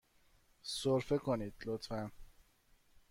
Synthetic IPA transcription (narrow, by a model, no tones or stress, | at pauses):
soɾfekʰoniːd̪̥lot̪fæn